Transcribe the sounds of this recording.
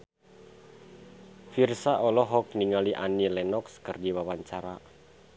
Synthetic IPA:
firsaʔɔlɔɦɔk̚niŋaliʔa̰nilɛnɔkskərdiwawaɲt͡ʃaɾa

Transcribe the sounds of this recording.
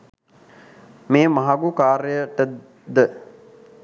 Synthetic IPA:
meːmaɦaɡukaːɾəjəʈə | d̪ə

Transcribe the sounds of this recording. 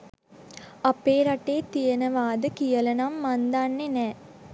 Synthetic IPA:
apeːɾaʈeːt̪ijənəʋaːd̪əkijələnamːand̪anːenɛː

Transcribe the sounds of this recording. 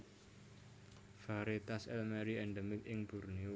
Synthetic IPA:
faɾet̪asɛlmɛɾiɛɳɖəmɪkɪŋb̥ṳrnio

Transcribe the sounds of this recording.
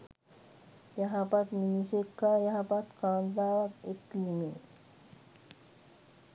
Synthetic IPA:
jaɦapat̪minisekːajaɦapat̪kãnzawakeklime

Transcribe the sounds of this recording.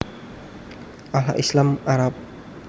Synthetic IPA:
ʔalaʔislamaɾap̚

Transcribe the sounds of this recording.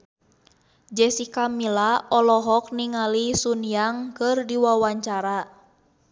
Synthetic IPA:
d͡ʒɛsikamilaɔlɔɦɔk̚niŋalisunijaŋkɨrdiwawaɲt͡ʃaɾa

